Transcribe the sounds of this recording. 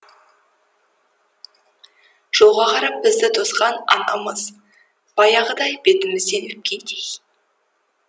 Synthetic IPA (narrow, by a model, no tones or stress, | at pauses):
ʒ̥o̞lˠʁɑqʰɑɾɑp̚bɪzd̪ɪd̪ʰo̞sqɑnɑ̰nɑ̰məz̥ | b̥ɑjɑʁəd̪ɑjbet̪ɪmɪzd̪e̞nɪp̚kʲʰent̪ʰej